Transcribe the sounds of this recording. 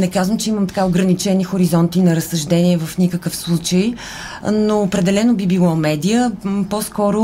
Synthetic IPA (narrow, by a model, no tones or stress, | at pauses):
nɛkazvəmt͡ʃɛiməmt̪ɐ̥kaʊɡɾɐnit͡ʃɛnixoɾizɔnt̪inɐɾəsːɐʒd̪ɛniɛvəfnikəkəfslˠut͡ʃəj | noːpɾɛd̪ɛlɛnoʊbibilˠɔmɛd̪ijəposkɔɾʊ